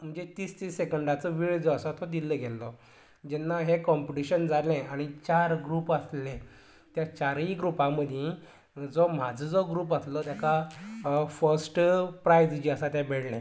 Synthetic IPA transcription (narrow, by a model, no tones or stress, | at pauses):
m̤əɳd͡zet̪iːst̪isekəɳɖat͡səʋiɭd͡zɔəsat̪ɔd̪ilːəːɡʱɛlːɔ | d͡ʑɛnːaɦekɔmpiʈiɕənd͡zalẽaɽ̃it͡ɕaɾɡɾuːpəslẽ | t̪jat͡ɕaɾĩɡɾupãməd̪ʱẽ | d͡zom̤ad͡zʱəd͡zɔɡɾuːp̬əslɔt̪jaka | fəɾsʈpɾajd͡zd͡ʑiəsat̪jabeɽlɛ̰̃